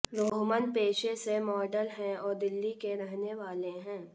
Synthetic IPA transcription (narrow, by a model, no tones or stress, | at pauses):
ɾoːɦmənpeːʃesemɔːɖəlɦɛ̃ɔːɾd̪ɪlːikeɾɛɦneʋaːleɦɛ̃ː